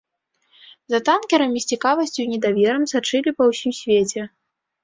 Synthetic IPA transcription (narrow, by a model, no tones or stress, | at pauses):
zɐt̪ankʲɛɾɐmʲisʲt͡sʲikavɐsʲt͡sʲunʲɛd̪avʲɛɾɐmsat͡ʂɨlʲipɐwsʲimsʲvʲet͡sʲɛ